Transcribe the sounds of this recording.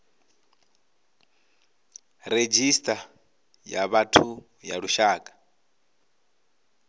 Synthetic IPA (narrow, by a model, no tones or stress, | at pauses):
ɾed͡ʒistʼa | jaβatʰu | ja̰ɺuʃaːkʼḁ